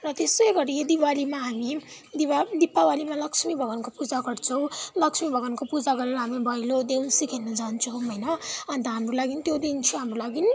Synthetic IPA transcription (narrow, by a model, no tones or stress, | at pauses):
rʌt̪esʌjɡʌɾied̪iwalimaɦamid̪iad̪ipːawalimalʌksmibʱʌɡʌnkopud͡zaɡʌɽt͡sʰʌw̃lʌksmibʱʌɡʌnkopud͡zaɡʌɾeɾʌɦamibʱʌjlod̪eunsikʰenʌd͡zant͡sʰʌɦʌjnʌʌnt̪ʌɦamrulaɡint̪jod̪int͡sʰuɦamrolaɡin